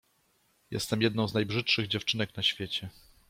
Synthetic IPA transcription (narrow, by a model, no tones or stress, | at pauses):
jɛ̰st̪ɛmjɛd̪nɔ̃w̃znajbʐɘtʂɘɣd͡ʑɛft͡ʂɘnɛknaɕfʲjɛt͡ɕɛ